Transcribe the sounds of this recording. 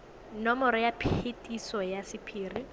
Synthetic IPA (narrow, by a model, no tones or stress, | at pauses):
nɔmɔɾɔjapʰetʼisɔjasɪpʰiːri